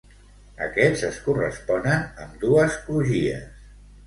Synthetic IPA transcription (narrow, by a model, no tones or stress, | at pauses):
ə̰kɛzəskurəspɔnənəmd̪uəskluʒiə̰s